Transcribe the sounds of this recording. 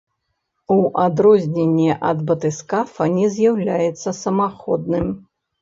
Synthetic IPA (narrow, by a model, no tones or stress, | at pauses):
uʔad̪ɾɔzʲnʲenʲːɛʔɐd̪bɐt̪ɨskafɐnʲɛzʲjawlʲajɛt̪sːɐsɐmaxɔd̪̚nɨm